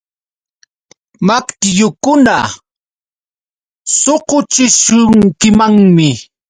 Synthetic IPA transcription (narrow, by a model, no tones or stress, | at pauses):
makt̪ɪjʊkʊna | soqʊt͡ʃɪʃʊŋkɪmaŋmɪ